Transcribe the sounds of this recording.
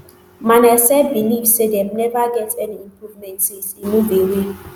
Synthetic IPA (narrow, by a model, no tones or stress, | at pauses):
manɛsɛbinifsedɛmnɛvaɡɛtʰɛnĩmpʰɾuvmɛ̃ntsisimuvewe